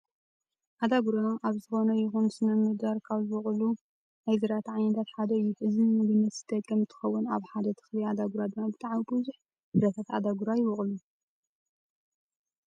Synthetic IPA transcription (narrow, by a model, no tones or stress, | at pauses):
ʔad̪aɡuɾaʔaβzɨxo̞nɐjɪxunsɨnɐmɨd̪aɾkʰaβzɨwɔχʼlu | najzɨɾat̪ʰʕajnɐt̪ʰat̪ħad̪ɐɨjːuħɨzɨmud̪ɨnːɐt̪z̥ɨt̪ʼɐkʼːɐmt̪ʰɨ̥xɐwːʊnaβħad̪ɐt̪ʰɨ̥xliad̪aɡuɾad̪ɨmabɨt̪ʼaʕmibɨzuħ | dɨɾɐt̪ʰat̪a̰d̪aɡuɾajɪwɔχʼlu